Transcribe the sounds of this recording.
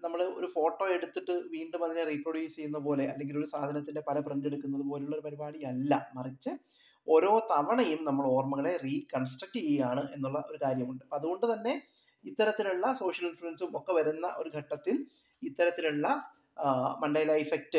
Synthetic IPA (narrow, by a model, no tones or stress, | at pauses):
nɐmːɐɭo̞̰ɾufo̞ːʈːo̞ːe̞ɽut̪ːiʈːɨʋiːɳɖumɐðineriːproɽjuːst͡ɕejːunːɐpo̞ːle̞ʔɐ̰lːe̞ŋɡilo̞ɾusaːd̪ʱɐnɐt̪ːinde̞pɐlɐpreɳndeɽukːun̪ːɐðupo̞ːleuɭːɐo̞ɾupɐɾibaːɽijɐlːɐmɐrit͡ɕːɨ | o̞ːɾo̞ːt̪ɐʋɐɳɐjumnɐmːɐɭo̞ːrmɐɣɐɭe̞riːkɐnsʈrɐk̚ʈːiʋijaːɳɨʔe̞nːuɭːɐʔo̞ɾukaːɾjɐmuɳɖɨɐðuɣo̞ɳɖɨt̪ɐnːe̞ | it̪ːɐɾɐt̪ːiluɭːɐso̞ːʂjɐlinfuɾɐnsumokːeʋɐɾunːɐʔo̞ɾuɡʱɐʈːɐt̪ːil | it̪ːɐɾɐt̪ːiluɭːɐ | mɐnɖɐjlaifek̚tɨ